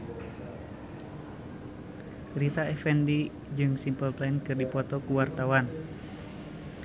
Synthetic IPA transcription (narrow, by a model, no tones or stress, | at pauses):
rit̪aɛfɛndi | d͡ʒɨŋsimpəlplainkɨrdipɔt̪ɔkuwart̪awan